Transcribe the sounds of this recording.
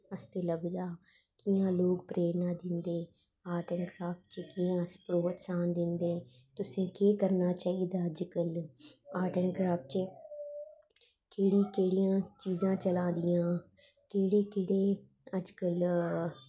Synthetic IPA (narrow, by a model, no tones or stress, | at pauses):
əst̪eːləbd͡ʒaː | kɪjãːloːk̚pɾeːnaːd̪ɪnd̪eː | aːʈənkɾaːfʈt͡ʃəkɪjãːspɾoːt̪saːnd̪ɪnd̪eːt̪ʊsẽːkeːkəɾnaːt͡ʃaːiːd̪aːəd͡ʒkəlaːʈənkɾaːft͡ʃə | keːɽiːkeːɽijãːt͡ʃiːzãːt͡ʃəlãːd̪ɪjãː | keːɽeːkeːɽeː | əd͡ʒkəl